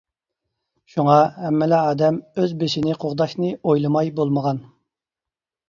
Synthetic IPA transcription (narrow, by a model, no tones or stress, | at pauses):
ʃuŋɑhɛmːɪlɛɑːd̪ɛmøzbeʃinɪqʰoʁd̪ɑʃnɨojlˠɨmɑjbolˠməʁɑn